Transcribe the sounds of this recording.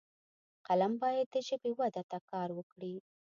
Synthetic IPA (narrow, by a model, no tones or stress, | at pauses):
qalambɑjad̪̚ːəʒəbewad̪at̪akɑɾwəkɽi